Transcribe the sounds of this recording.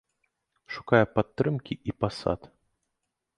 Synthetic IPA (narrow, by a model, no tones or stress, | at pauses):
ʂu̥kajɛpat̪ːɾɨmkʲiʔipasa̰t̪